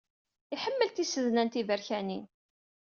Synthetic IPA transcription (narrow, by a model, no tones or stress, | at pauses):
iħəmːəlt̪isəðnænt̪ivəɾçæni